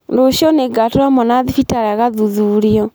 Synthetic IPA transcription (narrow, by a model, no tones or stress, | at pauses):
ndoʃɔneɡatoɾamɔnaðifitaɾaɣaðuðuɾiɔ